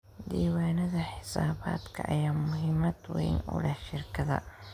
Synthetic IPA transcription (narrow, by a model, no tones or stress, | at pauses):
d̪iːwaːnɐðɐħɪsa̰ːβa̰ːd̪kʰɐʔɐ̰jaːmʊɦɪmɐd̪wɛ̰jnʊ̰lɐʃɪrkʰɐðɐ̰